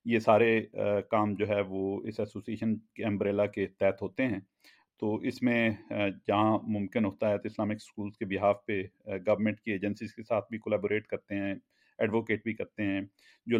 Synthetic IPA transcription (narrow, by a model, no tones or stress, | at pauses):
jesaːɾekaːmd͡ʒoːɦɛʋoɪsɛsoːsieːʃənkeɛ̃mbɾeːlaket̪ɛːt̪ɦoːt̪eɦɛ̃ː | t̪oːʔɪsmẽd͡ʒɐɦãmʊ̃mkɪnɦoːt̪aɦɛt̪oɪslaːmɪkskuːlzkebɪɦaːʋpeɡɐʋəɾmɛ̃ɳʈ̚kieːd͡ʒə̃nsizkesaːt̪ʰbʱikolɛːboːɾeːʈkɐɾt̪eɦɛ̃ | ɛɖʋoːkeːʈ̚bʱikɐɾt̪eɦɛ̃ː | d͡ʒoː